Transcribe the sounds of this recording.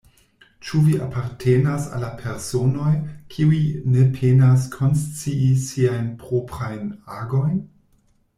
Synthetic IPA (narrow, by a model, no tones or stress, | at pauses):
t͡ʃuviapʰaɾtʰe̞nasa̰lːapʰe̞ɾso̞no̞jkʰiuinepʰenas̬kʰo̞nst͡siisiajnpɾopɾajnaɡo̞jn